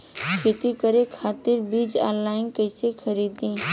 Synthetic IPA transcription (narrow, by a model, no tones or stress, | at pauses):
kɪt̪ikəɾekʰaːt̪ɪɾbiːd͡ʒã̰ːnlaːɪnkəɪsekʰəɾiːd̪ĩː